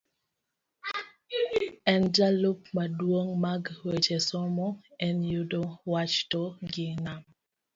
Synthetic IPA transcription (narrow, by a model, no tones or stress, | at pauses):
ɛnd͡ʒalopmadwoŋmaɡwet͡ʃesɔmɔɛnjudowat͡ʃtɔɡɪnam